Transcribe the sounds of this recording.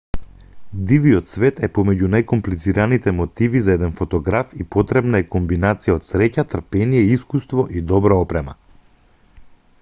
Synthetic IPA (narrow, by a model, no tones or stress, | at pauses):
d̪ivijɔt̪svɛt̪ɛpɔmɛɟunajkɔmplit̪siɾanit̪ɛmɔt̪ivizaɛd̪ɛnfɔt̪ɔɡɾafipɔt̪ɾɛbnaɛkɔmbinat̪sijaot̪sɾɛcat̪r̩pɛnijɛiskust̪vɔʔid̪ɔbɾaɔpɾɛma̰